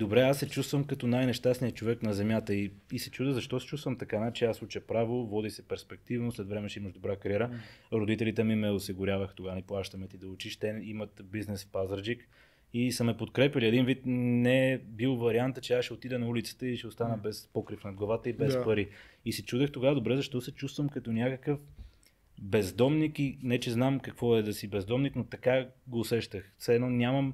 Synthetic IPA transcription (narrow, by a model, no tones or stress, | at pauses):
d̪obɾɛasːɛt͡ʃust̪vəmkɐt̪ɔnajnɛʃt̪asnijət͡ʃovɛknɐzɛmjat̪əiisɛt͡ʃud̪əɣzɐʃt̪ɔsɛ̥t͡ʃust̪vəmt̪ɐkanat͡ʃɛasut͡ʃəpɾavovɔd̪isɛpɛɾspɛk̚t̪ivnoslɛt̪vɾɛmɛʃɛiməʒd̪obɾakɐɾʲjɛɾəɾod̪it̪ɛlit̪ɛmimɛosiɡʊɾʲjavəxt̪oɡaniplˠaʃt̪əmɛt̪id̪ɐʊt͡ʃiʃt̪ɛnimət̪biznɛsfpazɾd͡ʒik | isəmɛpot̪kɾɛpjəliɛd̪invit̪nɛbilˠvɐɾiant̪ət͡ʃɛaʃɛot̪id̪ɛnɐulit̪sə̥t̪ɛiʃɛost̪anəbɛspɔkɾifnɐd̪̚ɡlˠɐvat̪əibɛspɐɾiisɛt͡ʃud̪əxt̪oɡad̪obɾɛzɐʃt̪ɔsɛt͡ʃust̪vəmkɐt̪onʲakəkəf | bɛzd̪ɔmnikinɛt͡ʃɛznamkɐkvɔɛd̪ɐsibɛzd̪ɔmniknot̪ɐkaɡoːsɛʃt̪əxsɛnɔnʲaməm